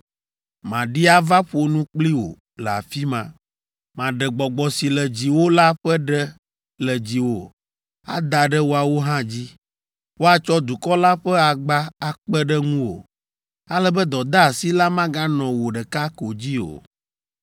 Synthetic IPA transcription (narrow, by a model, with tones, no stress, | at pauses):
mã˨ɖi˦a˦va˦ɸo˨nũ˦k͡pli˦wo̰˨ | lɛ˨a̰˨fi˦mã˨ | mã˨ɖɛ˨ɡ͡bɔ˨ɡ͡bɔ˨si˨lɛ˨d͡ʑi˨wo˦la˦ɸɛ˦ɖɛ˦ | lɛ˨d͡ʑi˨wo˨ | a̰˦d̪a˨ɖɛ˦wo˦a˨wo˦ɦã˦d͡ʑi˦ | wo˦a˨t͡ʃɔ˦d̪u˨kɔ˦la˦ɸɛ˦a˨ɡ͡ba˦a˨k͡pɛ˦ɖɛ˦ŋũ˦wo̰˨ | a˦lɛ˦bɛ˦d̪ɔ˨d̪a˦˨si˦la˦mã˦ɡã˦nɔ̃˨wo˨ɖɛ˨ka˦ko˨d͡ʑi˦o̰˨